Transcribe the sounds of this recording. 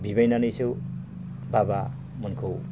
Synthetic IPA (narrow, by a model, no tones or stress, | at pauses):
bʱibajnanʌjsʰew | baba | mʌnkʰo